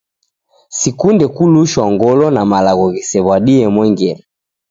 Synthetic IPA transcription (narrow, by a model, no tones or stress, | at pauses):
sikundɛkuluʃwaŋɡɔlɔnamalaɣɔɣisɛβwaɗiɛmwɛŋɡɛla